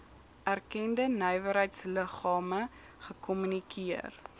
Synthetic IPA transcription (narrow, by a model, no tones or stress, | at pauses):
ʔærkɛndənœjvəɾɦəjtsləχɑːmə | χəkɔmynikʰiər